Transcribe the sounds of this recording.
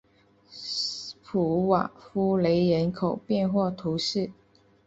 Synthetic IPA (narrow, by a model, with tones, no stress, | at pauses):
pʰu˨˩wa̰˨˩fu˥le˧˥ɪɻə˧˥nkʰo˨˩ʊpjɛ˥˧nxwɔ˥˩t̪ʰu˧˥ʂɻ̩˥˩